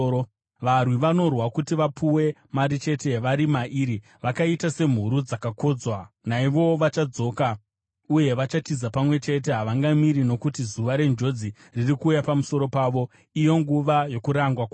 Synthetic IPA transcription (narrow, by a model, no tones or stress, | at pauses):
ʋarwiʋano̞rwakutiʋapʰuwe̞maɾit͡ʃe̞te̞ʋaɾimaʔiɾi | ʋakaitase̞m̤uɾud͡zakako̞d͡zwa | naiʋo̞ʋat͡ʃad͡zo̞ːka | uje̞ʋat͡ʃatizapamwe̞t͡ʃe̞t̬e̞ɦaʋaŋɡamiɾino̞kutizuʋaɾe̞nd͡ʒo̞d͡zi | ririkuːjapamuso̞ɾo̞paːʋo̞ | ijo̞ŋɡuʋajo̞kuɾaŋɡwakw